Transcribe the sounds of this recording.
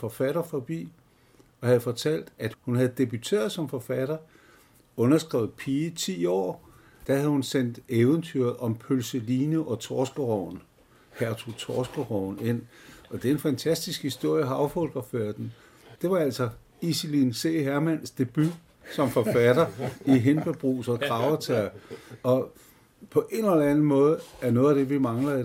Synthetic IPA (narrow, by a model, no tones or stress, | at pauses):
fɒ̽fæɾ̥ɐfɒ̽b̥ḭː | ɒ̽hæð̞̩ˠfɒ̽t͡sʰæl̰d̥æd̥hunhæð̩ˠd̥e̝b̥yt͡sʰe̝̰ːɐðˠsɒ̽mfɒ̽fæɾ̥ɐ | ɔ̽nɐsɡ̥ʁɛ̰ːʊð̩ˠpʰiːət͡sʰḭːɒ̰ː | d̥æhæð̩ˠhunsen̰d̥eːʊənt͡sʰyɐð̩ˠʔɒ̽mpʰølsəliːnəʔɒ̽t͡sʰɒːsɡ̥əʁɒʊn | hæɐt͡sʰo̰t͡sʰɒːsɡ̥əʁɒʊ̰nen̰ɒ̽d̥e̝enfænt͡sʰæsd̥isɡ̥hisd̥o̝ɐ̰jəɦɑɑʊfɔlɡ̥ʁɐføɐ̰d̥n̩ | d̥e̝ʋɑ̈æl̰sɒ̽ | isilinse̝̰ːɦæɐmæn̰sd̥e̝b̥y | sɒ̽mfɒ̽fæd̥ɐiɦenb̥əb̥ʁṵːsɒ̽t͡sʰʁɑ̈ʊɐt͡sʰæɐ̰ɒ̽ | pʰɒ̽ʔe̝nəlɐænn̩mɔ̽ːð̞̩ˠəæɐnɔ̽ːð̩ˠæd̥e̝ʋimɑ̈ŋlɐðˠ